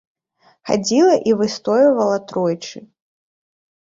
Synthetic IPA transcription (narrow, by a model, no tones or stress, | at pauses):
xa̰d͡zʲilˠɐʔivɨst̪ɔjɐvɐlˠɐt̪ɾɔjt͡ʂɨ